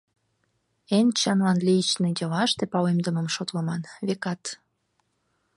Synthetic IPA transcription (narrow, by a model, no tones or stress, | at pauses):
ent͡ɕɑnlɑnlit͡ɕnedʲɑlɑʃt̪epɑlemd̪əməmʃot̪ləmɑnβekɑt̪